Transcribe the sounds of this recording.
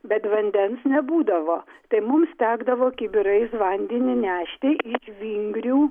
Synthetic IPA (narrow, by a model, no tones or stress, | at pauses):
bʲɛt̪ʋɐnʲd̪ʲɛnsnʲɛbuːd̪ɐʋoːt̪ɐɪmʊmst̪ʲæːɡd̪ɐʋoːkʲɪbʲɪɾɐɪsʋɐnʲd̪ʲɪnʲɪnʲæːʃʲt̪ʲeʔɪʃʋʲiŋɡɾʲuː